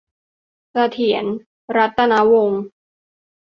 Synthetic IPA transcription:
sa˧t̪ʰi˩˦ən | ɾa˦˥t̪ːa˧na˦˥wo˧ŋ

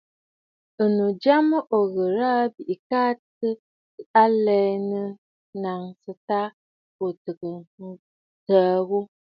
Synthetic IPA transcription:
ə˨no˨d͡ʒa˦mə˦ʔo˨ɣə˨ɾa˦bi˨ʔi˨kaː˦tə˦ | a˦lɛ˦nə˦ | na˨ŋsə˨ta˦ | o˨tɨ˨kə˨˦ | təː˨˦ɣu˦

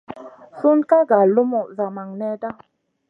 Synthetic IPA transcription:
su˦nka˦ɡa˨lu˦mu˨za˨ma˨ŋnɛ˦da˦

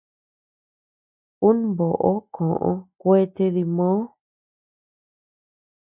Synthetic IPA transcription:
u˦n˦bo˨ʔo˦kʰõ˨ʔõ̰˧kʷe˦t̪e˧ði˧mõ˦

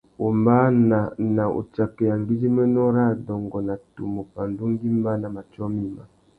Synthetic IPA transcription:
o˨mba˦na˨na˨ʔo̰˨t͡ʃa˨kɛ˨ja˨ŋɡi˦d͡ʒi˦mɛ˦nɔ˦ɾa˦dɔ˨ŋɡɔ˨na˨tṵ˨mo˨pa˨ndu˦ŋ˦ɡi˦mba˦na˨ma˨t͡ʃɔ˦mi˦ma˨

